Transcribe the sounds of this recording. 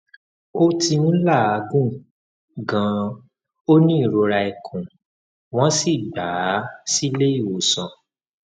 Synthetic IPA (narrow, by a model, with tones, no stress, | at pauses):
o˦tĩ˧˦la˦˨a˨˧ɡũ˦ | ɡã˨˦ | o˦nĩ˦˨ɾo˧ɾa˧i˨kʰũ˨ | w̃ɔ̃˦si˦˨ɡ͡ba˨˦si˦le˦i˦˨wo˨sɔ̃˧